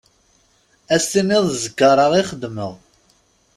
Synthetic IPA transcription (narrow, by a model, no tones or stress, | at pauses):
æsːiniðˤzəkːəɾˤɑʁiχəd̪mə̰ðˤ